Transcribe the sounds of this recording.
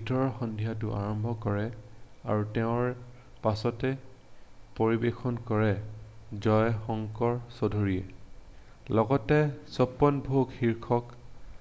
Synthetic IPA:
bʱitɔɹɔɹxɔndʱijat̬ʊʔa̰ɹɔmbʱɔkɔɹɛa̰ɹutɛʊ̃ɹ | pasɔtɛ | poɹibexʰɔnkɔɹɛzɔjxɔŋkɔɹsodʱoɹijɛ̰ | lɔɡɔtɛsɔpːɔnbʱoɡxiɹkʰɔk

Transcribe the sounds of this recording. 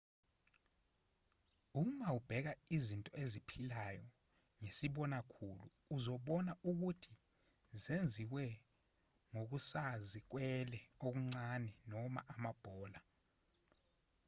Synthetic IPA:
umaub̥ʱɛk̬aizintʼɔezipʰilajɔ | ŋesiɓɔnakʰuluːzɔɓɔnaʔuk̬utʰi | zend͡zʱiwɛ | ŋok̬usazik̬wɛlɛok̬uŋ͡ǀanɛnɔma̰ʔamab̥ʱɔːla

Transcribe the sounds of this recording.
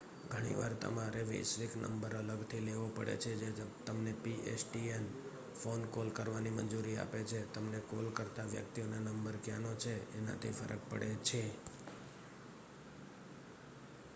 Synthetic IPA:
ɡʱəɽ̃ḭʋaɾt̪ə̰maɾeʋḛʃʋiknə̰mbəɾələɡt̪ʰileʋopəɽḛt͡ʃʰed͡ʒet̪əmnepiesʈien | fonkolkəɾʋanimə̰ɲd͡ʒuɾia̰pet͡ʃʰet̪əmnekolkəɾt̪aʋjə̰k̚t̪ionanəmbəɾkjanot͡ʃʰeːna̰t̪ʰifə̰ɾʔək̚pə̰ɽet͡ʃʰe

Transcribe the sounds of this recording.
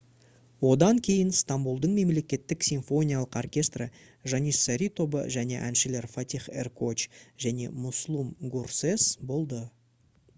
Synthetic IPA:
wo̞d̪ɑŋkʲʰe̞jɪnst̪ambulˠd̪əɴme̞mle̞kʲe̞t̪ːɪksʲiɱfo̞nʲijalˠəqorkʲe̞st̪rə | ʒɑnisːaɾʲit̪o̞bə̰ʒæne̞̰ʔænʃɪle̞ɾfat̪ʲiχḛrkot͡ʃʒ̥æne̞̰mʊslˠumɡursesbo̞lˠd̪ə

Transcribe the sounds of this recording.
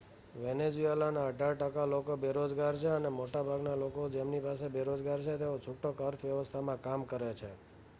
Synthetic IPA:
ʋened͡ʒuelanaəɖʱaɭʈəkalokobeɾod͡ʒɡaɾt͡ʃʰeənemoʈabʱaɡnalokod͡ʒemnipasebeɾod͡ʒɡaɾt͡ʃʰet̪eot͡ʃʰukʈokəɾt̪ʰʋjəʋəst̪ʰamãkamkəɾet͡ʃʰe

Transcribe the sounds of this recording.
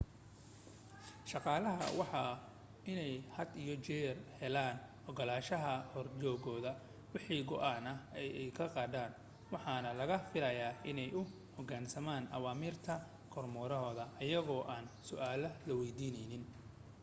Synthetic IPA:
ʃɑqɑːlɐɦɐ̰wɑħɑ | ɪnɛjhɐd̪ijɔt͡ʃɛːrhɛlaːnʔɔɡɔlaːʃɐɦɐhɔrt͡ʃɔːɣɔːðɐ | wɪħiːɡɔʔaːnɐɛjɛjkʰɐqɑːd̪aːn | wɑħɑːnɐlɐɣɐfɪlɐjaːʔɪnɛjʊ | hɔɡaːnsɐmaːnɐ̰waːmiːrt̪ʰɐ | kʰɔrmɔːɾɔɦɔːðɐʔɐjɐɣɔːʔaːnsʊʔaːlɐlɐwɛjd̪iːnɛjnɪn

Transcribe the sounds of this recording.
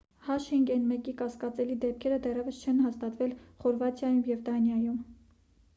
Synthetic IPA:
hɑʃiŋɡɛnmɛkikɑskɑt͡sɛlid̪ɛp̚kʰɛɾəd̪ɛrɛvəst͡ʃʰɛnɦɑst̪ɑt̪vɛlχɔɾvɑt̪ʰjɑjumjɛvd̪ɑnjɑjum

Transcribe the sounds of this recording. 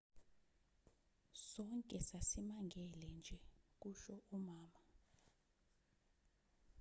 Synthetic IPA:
sɔŋkʼɛsasimaŋɡʱɛlɛnd͡ʒʱɛk̬uʃɔʔumaːma

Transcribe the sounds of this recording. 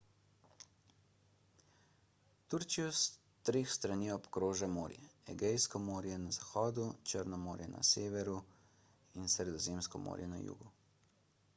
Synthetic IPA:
t̪uɾt͡ʃijɔs | t̪ɾeːxst̪ɾaniːɔpkɾoːʒamoːɾjɛɛ̰ɡɛjskɔmoːɾjɛnazaxɔːd̪ut͡ʃəɾnɔmoːɾjɛna̰seːʋɛɾu | insɾɛd̪ɔzeːmskɔmo̰ːɾjɛna̰jṵːɡu

